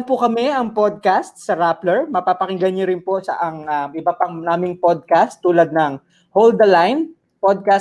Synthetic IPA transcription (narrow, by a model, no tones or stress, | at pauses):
npʊkɐmɛɐŋpod̪̚kast̪̚sɐɾaːplɛɹmɐpaːpɐkɪŋɡɐɲːoɾɪnposɐ̰ʔɐŋaʔɪbɐpɐŋnaːmɪŋpod̪̚kast̪ːuːlɐd̪̚nɐŋ | hold̪ɐlajn | pod̪̚kas